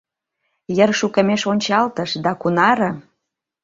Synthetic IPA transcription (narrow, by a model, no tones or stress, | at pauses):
jərʃukə̆meʃonʲt͡ɕɑlt̪əʃd̪ɑkunɑɾə̆